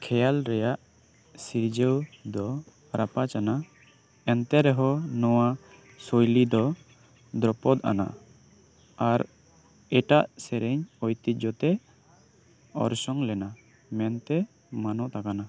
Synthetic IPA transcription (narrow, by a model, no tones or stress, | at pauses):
kʰɛjalɾɛjaʔ | siɾd͡ʒəwd̪ɔ | ɾapat͡ʃana | ɛnt̪ɛɾɛɦɔnɔwa | sojlid̪ɔ | d̪ɾɔpɔd̪a̰na̰ | aɾ | ɛʈaʔsɛɾɛɲɔjt̪it̪̚d͡ʒɔt̪ɛ | ɔ̰ɾsɔŋlɛna | mɛnt̪ɛ | manɔʔt̪akana